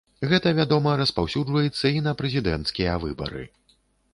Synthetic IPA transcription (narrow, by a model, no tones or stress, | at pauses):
ɣɛt̪ɐvʲad̪ɔmɐɾɐspawsʲud͡ʐvɐjɛt̪sːɐinɐpɾɛzʲid̪ɛ̰nt̪skʲijɐvɨbɐ̰ɾɨ̰